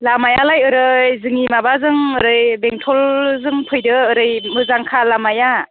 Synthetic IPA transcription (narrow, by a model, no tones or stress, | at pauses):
lamajalajɯɾɯjzɯŋimabazɯŋɯɾɯjbeŋtʰɔlzɯŋpʰɯjdɯɯɾɯjmɯzaŋkʰalamaja